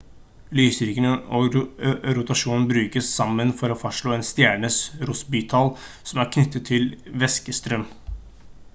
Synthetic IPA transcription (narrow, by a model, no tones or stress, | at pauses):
lyːsɾɪkənɔ | ɾʊt̪ɑʂuːnn̩bɾʉːkəsːɑmːənfɔɾoːfɑʂɭoːeːnst̪jæːɳəsɾʊsbyːt̪ʰɑl | sɔmæɾkʰnʏt̪ʰːət̪ʰːɪlʋɛskəst̪ɾœm